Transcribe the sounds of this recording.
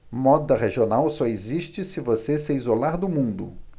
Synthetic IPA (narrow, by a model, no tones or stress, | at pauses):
mɔd̪ɐʁeʒionawsɔeziʃt͡ʃɪsɪvosesɪizolaɾd̪ʊmũnd̪ʊ̰